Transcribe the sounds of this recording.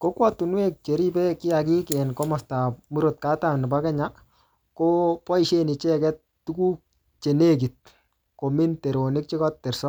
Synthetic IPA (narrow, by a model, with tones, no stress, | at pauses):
ko˦kwa˦tu˨nwe˦k̚t͡ʃe˨ɾi˦pɛ˦kɪ˦ja˨ki˦kɛ˨nkɔ˦mɔ˨sta˨mu˦ɾo˨t̚kaː˦tanɪ˨ba˦kɛ˦ɲa | ko˦pɔ˦i˨ʃe˦ni˨t͡ʃɛ˦kɛ˦t | tu˦ku˦k | t͡ʃe˨ne˦k̬i˨t̚ | ko˨mi˦nte˨ɾo˨nɪ˦k̚t͡ʃɪ˦kɔ˦ttɛ˨ɾsɔ˦